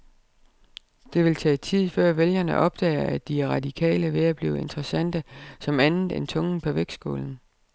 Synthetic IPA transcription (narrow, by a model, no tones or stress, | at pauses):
d̥e̝ʋe̝lt͡sʰɛ̰ːt͡sʰið̞̰ˠfɶɐ̰ʋeljɐnəʔɒ̽b̥̚d̥ɛ̰ːɪɐæ̥iʁɑ̈d̥ikʰɛ̰ːləʋe̝æb̥lḭːʊe̝nd̥ʁɐsæn̰d̥əsɒ̽mænnð̩ˠe̝nt͡sʰɔ̽ŋn̩pʰɒʋeɡ̥sɡ̥o̝̰ːln̩